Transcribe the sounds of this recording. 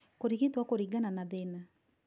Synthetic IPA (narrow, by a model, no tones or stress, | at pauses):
koɾiɣitwakoɾiɡananaðena